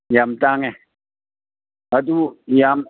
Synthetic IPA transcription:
jamt̪aŋɛ | ad̪ujam

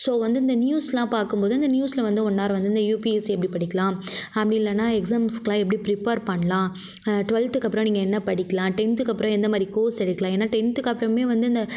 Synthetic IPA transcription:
soːʋɐnd̪ɯɪnd̪ɐnjuːslãːpaːɾkɯmpoːðɯɐnd̪ɐnjuːslɐʋɐnd̪ɯɔnːaːɾʋɐnd̪ɯɪnd̪ɐjuːpiɛsɛp̬ːɐɽipɐɽɪkːɐlãːɐpːɐɽɪnɪlːɐnːaːɛksaːmskɐlãːɛp̬ːɐɽipɾɪpeːɾpɐɳːɐlãː | ʈʋɐlt̪ɯkːɐpːɪɾɐ̃niːŋɡɐɛnːɐpɐɽɪkːɐlãːʈɛnt̪ɯkːɐpːɯɾõɛnd̪ɐmaːd̪ɾikoːsɛɽɪkːɐlãːeːnːaːʈɛnt̪ɯkːɐpːɪɾɐ̃meːʋɐnd̪ɯɐnd̪ɐ

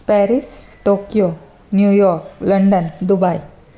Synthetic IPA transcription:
pɛɾisʈokijo | njujɔɾkləɳɖənd̪ubaj

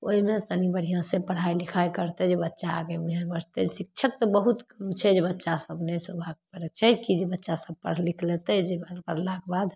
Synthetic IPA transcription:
o̰ɦimest̪anibəɽ̤ijãsepəɽ̤ajlikʰajkəɾt̪ɛd͡ʒebətːʃaːɡemeɦəɾbəɽ̤t̪ɛd͡ʒsik̚t͡ʃʰək̚t̪ɔbəɦut̪kəmt͡ʃʰɛd͡ʒebətːʃasəbnesobʱakpəɾɛt͡ʃʰɛkid͡ʒebətːʃasəb̚ʱpə̰ɽlikʰlet̪ɛd͡ʒebəɾpəɾlakbad̪

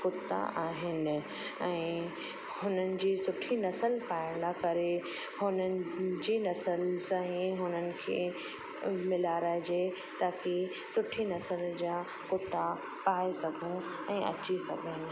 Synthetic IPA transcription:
kʊt̪ːa̰ʔaːɦɪnɪ̆ | ɛ̃ː | hʊnənɪ̆d͡ʑiːsʊʈʰinɐsəlpaːɪ̃d̪akɐɾe | hʊnənɪ̆d͡ʑiːnɐsəlsãĩɦʊnənɪ̆kʰḛː | mɪlaːɾaːd͡ʑe | t̪aːki | sʊʈʰinɐsəld͡ʑaː | kʊt̪ːa | paːesɐɡʱõ | ɛ̃ːʔɐ̰t͡ɕisɐɡʱənɪ̆

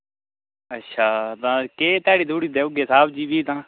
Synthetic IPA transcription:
ətːʃʰaːt̪ãːkeːt̪aːɽiːd̪ʱuːɽiːd̪eːʊɡeːsaːbʰd͡ʒiːbiːt̪ãː

